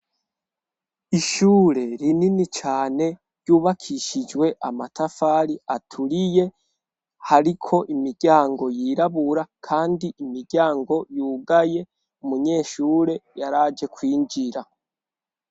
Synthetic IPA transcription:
iʃuːɾe̞ɾininit͡ʃaːne̞ | ɾɟuːβakʰiʃid͡ʒwe̞ʔa̰matafaːɾiatʰuɾije̞ | haɾikʰo̞ʔimiɾɟaːŋɡo̞jiɾaβuɾakʰaːndiimiɾɟaːŋɡo̞juːɡaje̞ | umuɲe̞ːʃuːɾe̞jaɾaːd͡ʒe̞kwiːɲd͡ʒiɾa

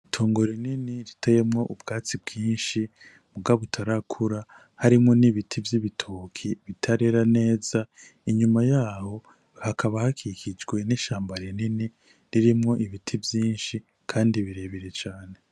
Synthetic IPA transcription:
tʰoːŋɡoɾininiɾitʰaje̞mŋo̞ʔubɡaːt͡sib̚ɡiːnʃi | muɡaβutʰaɾakʰuɾa | haɾimŋo̞niβitʰivjiβitʰokʰiβitʰaɾe̞ɾane̞ːz̥a | iɲumajaːho̞ | hakʰaβahakʰikʰid͡ʒɡwe̞niʃaːmbaɾinini | ɾiɾimŋo̞ʔiβitʰivjiːnʃi | kʰaːndiβiɾe̞βiɾet͡ʃaːne̞

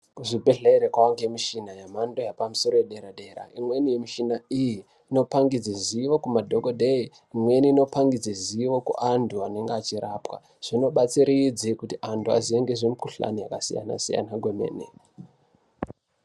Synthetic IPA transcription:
kuʐibʱe̞ɮeɾekwawaŋɡemiʃinajamando̞japamuso̞ɾojeɗeɾaɗe̞ːɾa̰imwe̞nijemiʃinaijiː | no̞paŋɡid͡ziziʋo̞kumadʱoɡodʱei | imwe̞niːno̞paŋɡid͡zeziʋo̞kṵʔantʰuane̞ŋɡeat͡ʃiɾaːpwa̰ | ʐ̥ino̞ɓat͡siɾid͡zikutiʔantʰua̰zieŋɡeʐemukuɬa̰nijakasḭja̰na̰sḭja̰naɡʱwemḛːnḛ

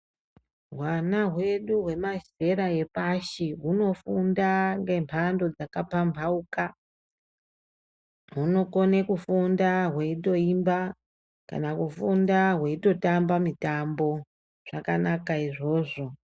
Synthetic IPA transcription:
ɦwanaɦwe̞ɗuɦwe̞maze̞ɾae̞paʃiɦuno̞fundaŋɡempʰando̞d͡zakapambʰʱauka | ɦuno̞kone̞kufundaɦweito̞imba | ka̰nakufundaɦwe̞ito̞tambamitambo̞ | ʐ̥akanakaiʐo̞ːʐo̞

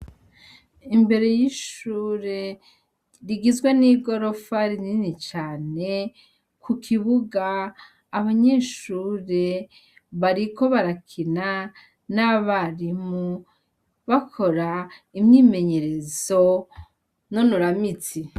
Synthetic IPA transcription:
imbe̞ɾe̞jiʃuːɾe̞ | ɾiɡizɡweniːɡo̞ɾo̞faɾininit͡ʃaːne̞ | kʰukʰiβuɡaː | βaɲeːʃuːɾe̞ | βaɾiko̞βaɾakʰina | naβaɾimu | βakʰo̞ɾaimɲiːme̞ɲe̞ɾe̞zo | no̞nuɾamit͡si

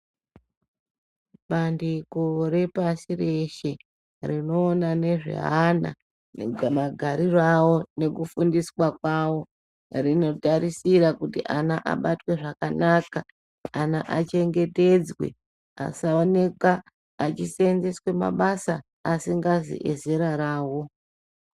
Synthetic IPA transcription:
ɓandikore̞pasire̞ʃe̞ | rino̞ːnane̞ʐḛɦana̰ | maɡʱaɾirawo̞ne̞kufundiswakwawo̞ | rino̞taɾisiɾakutiʔanaʔa̰ɓatwe̞ʐakanaːka | anaʔat͡ʃe̞ŋɡe̞te̞d͡zwe̞̰ | a̰saone̞kaː | t͡ʃisenzeswe̞ma̰ɓasaː | siŋɡazḭʔḛze̞ɾaɾaːwo̞

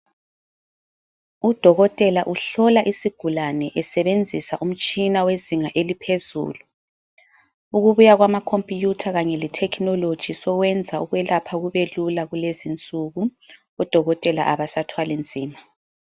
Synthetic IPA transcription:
ud̥ʱɔɣɔtʼɛlaʔuɬɔlaʔisiɡ̥ʱulanɛʔɛsɛβend͡zʱisaʔum̩t͡ʃʼinaweziŋaʔelipʰezṵːlu | uɣuβujaɣwamakʰompʼjutʰaɣaɲɛlɛtʰɛkʰnɔlod̥ʒ̥ʱisɔɣwɛnd͡zʱauɣwɛlapʰauɣuβelulaɣulezint͡sʼuɣu | ɔd̥ʱɔɣɔtʼɛla̰ʔaβasatʰwalend͡zʱiːma

